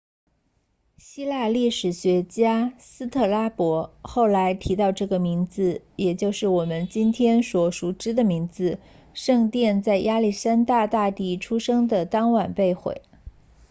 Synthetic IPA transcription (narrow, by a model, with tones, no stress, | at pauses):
ɕi˥la˥˧li˥˩ʂɻ̩˨˩ɕɥɛ˧˥t͡ɕja˥sɹ̩˥t̪ʰɤ˥˩la˥pwɔ˧˥xo˥˩ʊla˧˥ɪt̪ʰi˧˥t̪ɑ˥˧ʊʈ͡ʂɤ˥˩ɡə˩mi˧˥ŋd͡zɹ̩˧jɛ˨˩t͡ɕjo˥˧ʊʂɻ̩˥˩wɔ˨˩mə˦nt͡ɕi˥nt̪ʰjɛ˥nswɔ˧˩ʂu˨˩ʈ͡ʂɻ̩˥d̪ə˨mi˧˥ŋd͡zɹ̩˧ | ʂɤ˥˧ŋt̪jɛ˥˧nt͡sa˥˩ɪjʔa˥li˥˩ʂa˥nt̪a˥˧t̪a˥˧t̪i˥˩ʈ͡ʂʰu˥ʂɤ˥ŋd̪ə˨t̪ɑ˥ŋwa˨˩npe˥˧ɪxwḛ˨˩ɪ